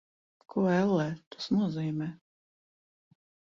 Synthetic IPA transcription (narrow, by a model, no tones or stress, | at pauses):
kʰuɛlˠːɛːt̪ḁsnuɔziːmɛː